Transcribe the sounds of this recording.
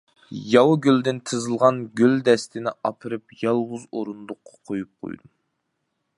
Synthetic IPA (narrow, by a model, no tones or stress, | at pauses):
jɑwɡʲyld̪ɪnt̪ʰɨzɨlˠʁɑnɡʲøld̪ɛst̪ɪnɪɑpʰɨɾɨpjɑlˠʁʊzoɾund̪ʊqːɑ̥qʰojup̚qʰo̰jd̪u